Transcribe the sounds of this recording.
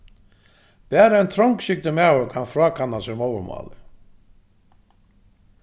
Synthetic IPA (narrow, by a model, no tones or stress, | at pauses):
b̥ɛːɾaɛnt̪ʰɾɔŋkʃɪk̚t̪ɪmaːwʏkʰanfɾɔːkʰanːasɛmoːwʏɾmɔ̰ːlɪ